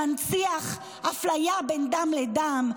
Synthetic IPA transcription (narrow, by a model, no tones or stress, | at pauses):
ant͡siaχ | haflajabend̪amled̪am